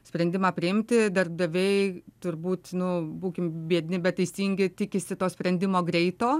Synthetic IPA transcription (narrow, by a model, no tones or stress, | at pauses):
sʲpʲɾʲɛnʲd̪ʲɪmɑːpʲɾʲɪɪmʲt̪ʲɪd̪ɐrb̚d̪ɐʋʲɛɪt̪ʊɾbuːt̪nʊbuːkʲɪmbʲiɛd̪ʲnʲɪbʲɛt̪t̪ːɐɪsʲiːŋʲɡʲɪt̪ʲɪkʲɪsʲɪt̪oːsʲpʲɾʲɛnʲd̪ʲɪmoːɡɾʲɛɪt̪oː